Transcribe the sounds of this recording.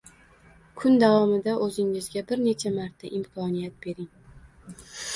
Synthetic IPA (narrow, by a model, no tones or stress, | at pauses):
kʰʊnd̪avɒmɪd̪aʔɵzɪŋɪzɡʲabɪɾne̞t͡ʃʰamaɾt̪ʰːaʔɪmkʰɒnijat̪̚b̥e̞ɾɪŋ